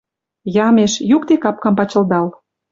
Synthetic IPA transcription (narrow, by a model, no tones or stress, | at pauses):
jɑmeʃjukt̪ekɑp̚kɑmpɑt͡ɕə̆ld̪ɑl